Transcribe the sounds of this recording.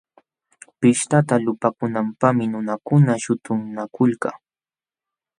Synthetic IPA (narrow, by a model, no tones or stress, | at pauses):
pɪʃt̪at̪alʊpakʊnampamɪnʊnakʊnaʃʊt̪ʊmnakʊlka